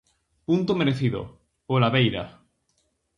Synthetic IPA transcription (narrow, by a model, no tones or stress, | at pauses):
punt̪omeɾeθiðo̰ | olaβejɾa̰